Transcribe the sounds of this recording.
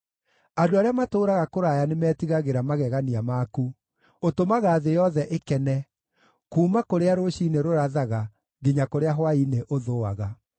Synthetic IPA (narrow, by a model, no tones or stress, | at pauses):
adoaɾeamatoːɾaɣakoɾajanemɛːtiɣaɣeɾamaɣɛɣaniamaku | otomaɣaːðejɔðɛʔekɛnɛ | kuːmakoɾeaɾoɕineɾoɾaðaɣa | ɡeɲakoɾeaɦwaineʔoðoaɣa